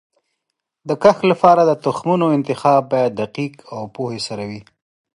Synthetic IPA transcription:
d̪əkaxlapɑɾad̪ət̪ʊxmunoɪnt̪ɪxɑb̚ːɑjad̪̚d̪aqiqawpohesaɾawi

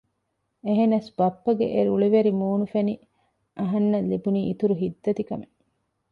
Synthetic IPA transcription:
eɦenɐsbɐpːɐɡḛʔeɾuɭiʋeɾimuːnufeni | ʔɐɦɐnːɐlːibuniːit̪uɾuɦid̪ːɐt̪ikɐme

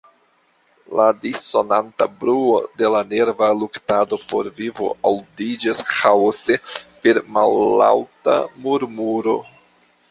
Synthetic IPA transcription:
ladiso̞nantabɾuode̞lane̞ɾvaluktado̞po̞̰ɾvivo̞̰ʔawdid͡ʒashaosepe̞ɾmalla̰wta̰muɾmuɾo̞̰

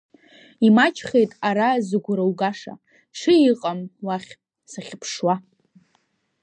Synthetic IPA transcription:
imat͡ʃʰχejtʼaɾazɨɡʷʊɾawɡaʂa̰ | ʂʰɨiqʼamwaχʲ | saχʲpʰʂwa

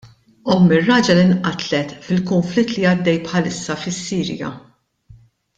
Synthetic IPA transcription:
ʔɔmːɪrːɐːd͡ʒɐlɪnʔɐt̪lɛt̪fɪlkʊɱflɪt̪ːliɐd̪ːɛjpħɐlɪsːɐfɪsːiːɾjɐ̰

